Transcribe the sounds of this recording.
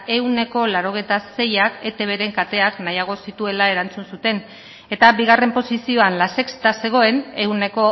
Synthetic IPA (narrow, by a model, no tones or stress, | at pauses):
e̞uwne̞ko̞laɾo̞ɣ̞e̞jt̪ase̞jake̞t̪e̞βe̞ɾe̞ŋkat̪e̞aknajaɣ̞o̞sit̪ue̞lae̞ɾant͡sunsut̪e̞n | e̞t̪abiɣ̞are̞mpo̞sisio̞anlase̞kst̪ase̞ɣ̞o̞e̞ne̞uwne̞ko̞